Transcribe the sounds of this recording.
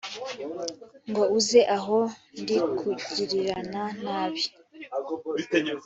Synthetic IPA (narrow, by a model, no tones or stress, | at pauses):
ŋɡo̞uzeʔaɦo̞ndikʰuɟiɾiɾananaːβi